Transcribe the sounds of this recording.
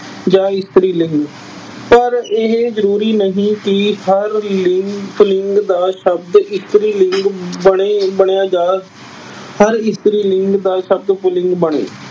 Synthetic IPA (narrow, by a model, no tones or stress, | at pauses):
d͡ʒaːɪst̪ɾiːlɪ̃ŋɡ | pəɾɪɦzəɾuːɾiːnəɦĩːkɪhəɾlɪŋɡpʰʊlɪŋɡd̪aːʃəbd̪ɪst̪əɾiːlɪŋɡbəɽeːbəɳ̃ejaːd͡ʒaː | həɾɪst̪ɾiːlɪŋɡd̪aːʃəb̚d̪pʊlɪ̃ŋɡbəɳḛː